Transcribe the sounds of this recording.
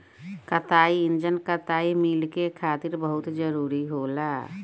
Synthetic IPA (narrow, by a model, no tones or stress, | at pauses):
kət̪aːiɪnd͡ʒənkət̪aːimilkekʰaːt̪iɾbəɦʊt̪d͡ʒəɾuːɾiɦoːlaː